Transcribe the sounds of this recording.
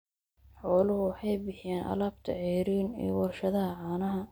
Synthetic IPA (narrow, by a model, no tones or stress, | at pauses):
ħɔːlʊhʊwɑħɑjbɪħɪjaːnʔɐ̰laːbt̪ʰɐ̰ʕɛːɾiːnɛ̰ːwɐrʃɐðɐɦɐʕaːnɐɦɐ